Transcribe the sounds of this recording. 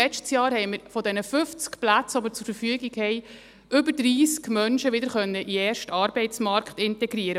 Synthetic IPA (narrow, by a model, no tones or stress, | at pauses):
ɛt͡ʃtsjɑːɾhɛɪməɾfɔdɛnəfʏft͡skplæt͡sɑbəɾt͡sʊɾfəɾfyəɡikhɛɪ | ʔʏbəɾdɾiːskmœnʃəʋɪdəɾχœnːəʔiɛːɾʃtɑɾbɛɪtt͡smɑrkχtɪntɛɡɾiəɾə